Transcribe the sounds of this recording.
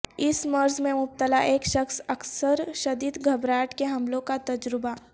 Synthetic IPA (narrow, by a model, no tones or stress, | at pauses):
ɪsmɐɾzmẽmʊp̚t̪əlaʔeːkʃəxsɐksəɾʃɐd̪iːd̪ɡʱɐbɾaːʈkeɦɐmlõkat̪ɐd͡ʒɾɪba